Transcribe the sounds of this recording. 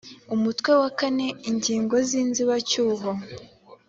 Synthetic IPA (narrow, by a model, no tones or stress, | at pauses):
umutwe̞wakane̞iɲɟiːŋɡo̞ziːnziβacuːɦo